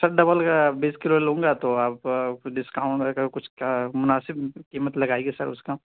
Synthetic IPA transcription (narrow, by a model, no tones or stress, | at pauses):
sɐɾɖɐbəlkabiːskɪloːlõːŋɡat̪oaːpɖɪskaʊ̃ɳʈakakʊt͡ʃʰkamʊnaːsɪbkimət̪lɐɡaːeɡesɐɾʊ̰ska